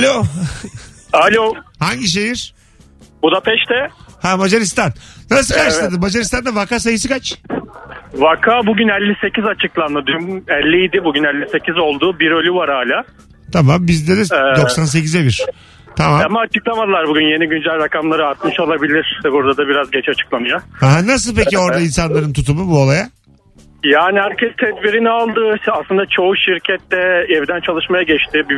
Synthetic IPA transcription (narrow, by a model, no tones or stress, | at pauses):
alʲo | alʲohaɲɟiʃ̬ejiɾ̥ | bud̪apʰɛʃt̪ʰɛhæmad͡ʒaɾist̪anːas̬ɯkaɾʃlˠad̪ɯmmad͡ʒaɾist̪ʰand̪avakaːs̬ajɯsɯkʰat͡ʃ | vakʰaːbuɟynɛlʲːise̞cʰizat͡ʃʰɯklˠanlɯd̪ymɛlʲːijid̪ibuɟynɛlʲːise̞cizo̞lˠd̪uːbiɾø̞lʲyvaɾaːlʲaː | t̪ʰamambizlʲeɾizɛd̪o̞ssans̬e̞cizɛbiɾ̥ | t̪ʰamamamaːt͡ʃʰɯklˠamad̪ɯlˠaɾbuɡynje̞niɟynd͡ʒælʲɾakamlˠaɾɯaɾt̪mɯʃolˠabilʲiɾ̥buɾd̪ad̪abiɾazɟɛt͡ʃat͡ʃʰɯ̥klˠanɯjahaɦanas̬ɯlˠpecio̞ɾd̪ainsanlˠaɾɯnt̪ʰut̪umubuo̞lˠaja | jaːniɦæɾcʰɛst̪ʰɛd̪biɾinialˠd̪ɯaslˠɯnd̪at͡ʃʰo̞uʃiɾcʰɛt̪ːɛɛvd̪ænt͡ʃʰalˠɯʃmajaɟɛt͡ʃt̪ʰɪbi